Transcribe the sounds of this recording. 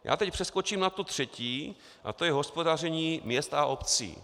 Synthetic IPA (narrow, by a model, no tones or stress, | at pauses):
ja̰ːt̪ɛcpr̝̥ɛskot͡ʃiːmnat̪ut̪r̝̥ɛciː | ʔa̰t̪o̞jɛɦo̞spo̞dar̝ɛɲiːmɲɛst̪aʔopt͡sḭː